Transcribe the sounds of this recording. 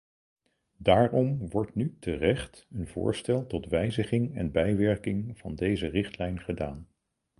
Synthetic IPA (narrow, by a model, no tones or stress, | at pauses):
daːrɔmʋɔɹtnytərɛχtənvʊ̰ːɹstɛlˠtɔtʋɛjzəχɪŋɛnbɛjʋɛɹkɪŋv̥ɑndejzərɪχtlɛjnχədaːn